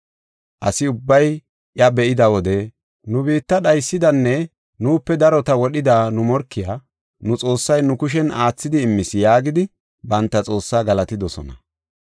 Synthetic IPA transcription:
ʔɐsɪʊbːɐj | ʔjɐbɛʔɪd̪ɐwɔd̪ɛ | nʊbiːt̪ːɐɗɐjsːɪd̪ɐnːɛ | nuːpːɛd̪ɐɾɔt̪ɐwɔɗɪd̪anʊmɔɾkːɪjaː | nʊt͡sʼo̞ːsːɐjnʊkʊʃ̬ɛnaːt͡sːɪd̪ɪːmːɪsjaːɡɪd̪ɪ | bɐnt̪ːɐt͡sʼo̞ːsːaːɡɐlɐt̪ɪd̪ɔsɔ̰nɐ̰

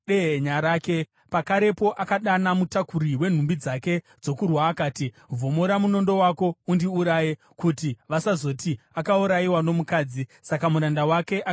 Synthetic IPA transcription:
eɦeɲaɾaːke̞ | pakaɾe̞po̞ʔakaɗanamutakuɾiwe̞n̤umbid͡zake̞ | d͡zo̞kurwaːkaːti | vʱo̞moɾamuno̞ndo̞wako̞undiuɾaːje | kutiʋasazo̞ti | akauɾaiwano̞mukaːd͡zisakamuɾandawake̞ʔa

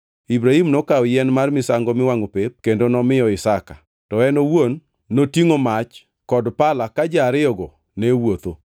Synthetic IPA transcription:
ibɾaimnokaɔjɛnmarmɪsaŋɡɔmɪwaŋopep̚kendonɔmɪɔɪsaka | tɔɛnowonː | otiŋomat͡ʃ | kɔdpalakad͡ʒaɾɪɔɡo | nɛwot̪o

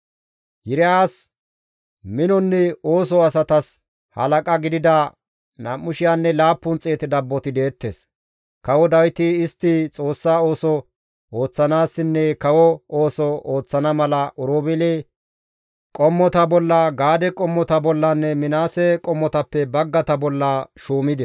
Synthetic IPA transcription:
jɪɾɪaːs | mɪnɔnːɛo̞ːs̬ɔɐsɐt̪ɐs | hɐ̰lɐkʼɐɡɪd̪ɪd̪ɐ | naːmːʊʃɪjanːɛlaːpːʊnt͡sʼe̞ːt̪ɪd̪ɐbːɔt̪ɪd̪e̞ːt̪ːes | kɐwɔd̪ɐwɪt̪ɪɪst̪ːɪt͡sʼo̞ːsːaːo̞ːsɔ | oːt͡sːɐnaːsːɪnːɛkɐwɔoːsɔoːt͡sːɐnɐmɐlɐʔʊɾoːbɛleː | kʼɔmːɔt̪ɐbɔlːɐɡaːd̪ɛkʼɔmːɔt̪ɐbɔlːɐnːɛmɪnaːsɛkʼɔmːɔt̪ɐpːɛbɐɡːɐt̪ɐbɔlːɐʃuːmɪd̪ɛ

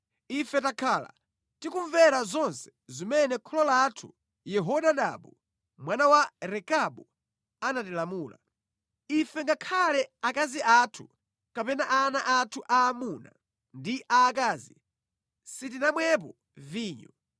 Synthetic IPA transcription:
ifɛtakʰaːla̰ | tikuɱvɛɾazɔnsɛ̥zimɛnɛkʰɔlɔlatʰu | jɛɦɔɗaɗa̰ɓu | mwanawaɾɛkaɓu | anatilamuːla̰ | ifɛŋɡakʰalɛakaziʔatʰu | kapɛnaʔanaʔatʰuʔaːmuna̰ | ndiʔaːkaːzi | sit̬inamwɛp̬ɔ | viːɲu

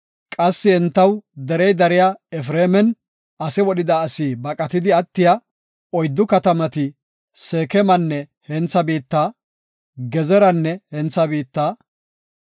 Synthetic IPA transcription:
kʼɐsːɪɛnt̪ːɐwd̪ɛɾɛjd̪ɐɾɪjaɛfɾeːmɛn | ɐsɛwɔɗɪd̪ɐːsiːbɐkʼɐt̪ɪd̪ɪɐt̪ːɪja | ɔjd̪ːʊkɐt̪ɐmɐt̪ɪ | seːkɛmɐnːɛ | hɛnt͡sːɐbiːt̪ːaː | ɡɛzɛɾɐnːɛhɛnt͡sːɐbiːt̪ːaː

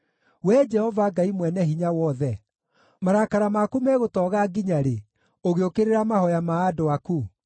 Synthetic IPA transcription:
wɛd͡ʒɛhɔvaɡaimwɛnɛhiɲawɔðɛ | maɾakaɾamakumɛɣotɔːɣaɡiɲaɾe | oɣeokeɾeɾamaɦɔjamaːdoaku

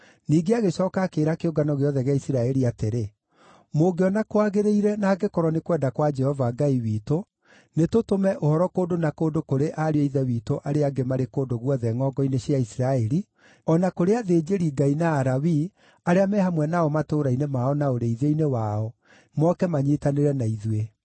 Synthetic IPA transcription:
niːɡeaɣeɕɔːkakeːɾakeoɡanɔɣeɔðɛɣeaisiɾaɛɾiateɾe | moɡeɔnakoaɣeɾeiɾɛnaːɡekɔɾɔnekwɛːndakwad͡ʒɛhɔvaɡaiwiːto | netotomɛʔohɔɾɔkoːndonakoːndokoɾeʔaɾeeiðɛwiːtoʔaɾeaɡemaɾekoːndoɣwɔðɛŋɔɡɔineɕjaisiɾaɛɾi | ɔnakoɾeaðeːd͡ʒeɾiɡainaːɾawi | aɾeamɛhamwɛnaɔmatoːɾainemaɔnaoɾeiðeinewaɔ | mɔkɛmaɲetaneɾɛnaiðwe

